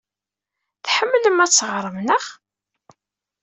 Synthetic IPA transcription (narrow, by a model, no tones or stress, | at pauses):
θħəmːləmæsːəʁɾˤəmnəχ